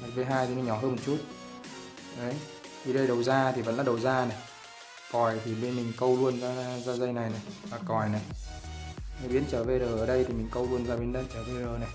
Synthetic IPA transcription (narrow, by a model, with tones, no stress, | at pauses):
ma˨˩t̚ve˨˦ɦaː˧jt̪i˨˦nɔ˨˦ɲɔ˧˩ɦəː˧nmo˨˩t͡ɕu˦˥t̚ | ʔə˨˦j | t̪ʰi˨˩ɗə˧jɗə˨˩wzaː˧t̪ʰi˨˩və̰˧˥nlaː˧˩ɗə˨˩wzaː˧na˨˩j | kɔ˨˩jt̪ʰi˨˩ɓe˧nmï˨˩ŋ̟kə˧wlu˧ənzaː˧zaː˧zə˧jna˨˩jna˨˩jvaː˨˩kɔ˨˩jna˨˩j | mə˨˦ɓi˨˦ənt͡ɕəː˧˩ve˨˩ɗəː˨˩ʔəː˧˩ɗə˧jt̪ʰi˨˩mï˨˩ŋ̟kə˧wlu˧ənzaː˧ɓi˨˦ənɗə˧nt͡ɕəː˧˩ve˧˩ɗəː˨˩na˨˩j